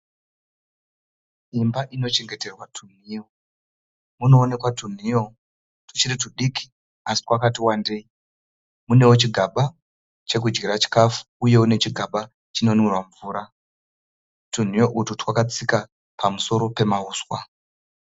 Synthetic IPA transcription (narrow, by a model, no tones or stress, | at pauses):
imbaʔino̞t͡ʃe̞ŋɡe̞te̞rwatʰun̤io | muno̞ːne̞kwatun̤ijo̞ | tu̥t͡ʃirituɗikʰi̥ | asi̥kwakatiwande̞i | mune̞wot͡ʃiɡʱaɓa | t͡ʃe̞k̬ud͡ʒɡiɾat͡ʃi̥kafu̥uje̞une̞t͡ʃiɡʱaɓa | t͡ʃino̞nwirwaɱvuːɾa | tun̤ijo̞ʔututwakat͡sika | pʰamuso̞ɾo̞pe̞mauːswa